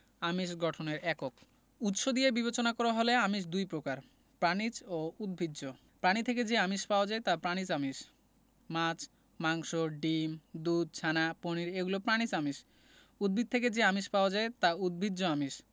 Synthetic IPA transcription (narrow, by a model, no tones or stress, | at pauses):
amiʃ̬ɡɔʈʰoneɾʔɛkok | ut̪ʃod̪ijebiβet͡ɕonakɔɾaɦoleamiʃ̬d̪ujpɾokaɾ | pɾanit͡ɕoud̪̚bʱidd͡ʑo | pɾanit̪ʰeked͡ʑeamiʃpaod͡ʑaet̪apɾanit͡ɕamiʃ | mat͡ɕ | maŋʃoɖimd̪ud̪̚t͡ɕʰanaponiɾeɡulopɾañit͡ɕamiʃ | ud̪̚bʱid̪̚t̪ʰeked͡ʑeamiʃpaod͡ʑaet̪aud̪̚bʱid̪d͡ʑoamiʃ